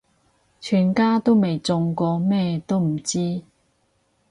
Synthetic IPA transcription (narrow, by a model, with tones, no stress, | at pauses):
t͡ʃʰyː˨˩nkaː˥t̪o˥wme˨jt͡sʊ˧ŋkɔː˧mɛː˥t̪o˥wm̩˨˩t͡siː˥